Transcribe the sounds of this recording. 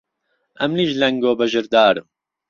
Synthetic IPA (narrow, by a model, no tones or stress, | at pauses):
ɐ̰mliʒlɐŋɡoːbɐʒɨɾd̪aːɾɨm